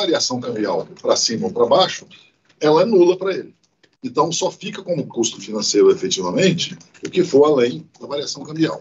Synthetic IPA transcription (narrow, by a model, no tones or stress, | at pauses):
aɾiasɐ̃w̃kɐ̃mbia̰wpɾɐsĩmɐopɾɐbaʃʊ̥ | ɛlɐɛnulɐpɾɐelɪ | ẽt̪ɐ̃w̃sɔfikɐkõmʊkust̪ʊfinɐ̃sejɾʊefet͡ʃivɐmẽnt͡ʃɪ̥ | ʊkɪfoɾalẽj̃d̪ɐvaɾiasɐ̃w̃kɐ̃mbia̰w